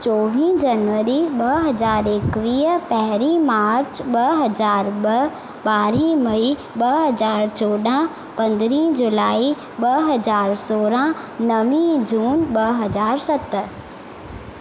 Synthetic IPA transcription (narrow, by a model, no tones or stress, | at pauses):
t͡ɕɔːʋĩd͡ʑɐnʋəɾiɓɐɦɐzaːɾekʋiːɦəpɛɦɾimaːɾt͡ɕʰɓɐɦɐzaːɾɓɐ | ɓaːɾĩmɐi | ɓɐɦɐzaːɾt͡ɕoːɗã | pɐ̃nd̪ɾĩːd͡ʑʊlaːi | ɓɐɦɐzaːɾsoːɾãnɐʋĩd͡ʑuːnɓɐɦɐzaːɾsɐt̪